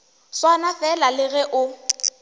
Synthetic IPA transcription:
swanafɛlalɪɣɛʔʊ

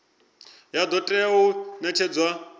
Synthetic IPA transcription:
jad̪ɔtʼɛunɛt͡ʃʰɛd͡zwa

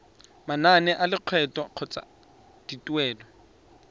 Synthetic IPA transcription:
mananɛʔalɪq͡χʰwɛtʼɔq͡χʰɔt͡sʼa̰ | d̥itʼuɛːlɔ

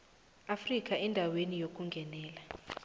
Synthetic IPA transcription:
afrik̬ʼaɛndʱawenijok̬ʼuŋɡʱɛnɛːla

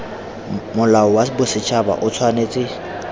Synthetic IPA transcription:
mʊlaɔwabʊsɪt͡ʃʰaba̰ʔʊt͡sʰwaneːt͡sʼɪ

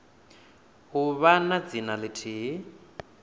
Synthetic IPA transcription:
ɦuβanad͡zinalɪtʰiɦ

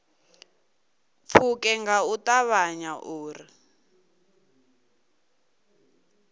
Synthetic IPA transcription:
p̪fʰukɛŋɡautaβaɲaʔuːri

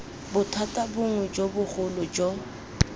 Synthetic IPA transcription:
bʊtʰatʼabʊŋwɛd͡ʒobʊχʊlʊd͡ʒɔ

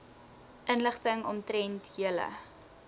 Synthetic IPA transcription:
ʔənləχtəŋɔmtɾɛntɦiələ̰

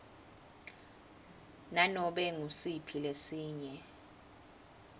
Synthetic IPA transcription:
nanɔɓɛŋusipʰilesiːɲɛ

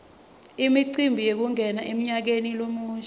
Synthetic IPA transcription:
imiǀimbʱijek̬uŋʱɛnaʔem̩ɲak̬enilomuːnt͡ʃʰɛ

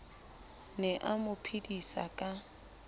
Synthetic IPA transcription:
nɛʔamʊpʰidisa̰kʼa

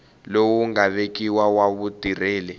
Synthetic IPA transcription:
lowuŋaɓek̬iwawaβud̥ʱir̤ɛːlɛ

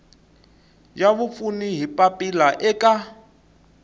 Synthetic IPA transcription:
jaβufuniɦipʼapʼilaʔɛkʼa

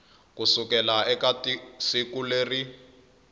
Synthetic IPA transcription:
kusukɛlaɛkatisikuleːri

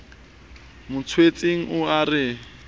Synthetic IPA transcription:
mʊt͡sʰwet͡sʼiŋ̩ʊarɪ

